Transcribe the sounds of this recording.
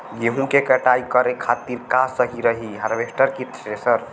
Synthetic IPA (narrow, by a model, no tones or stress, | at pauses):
jeɦũkekəʈaikəɾekʰat̪iɾkasəɦiɾəɦiɦəɾbesʈəɾkit̪ʰesəɾ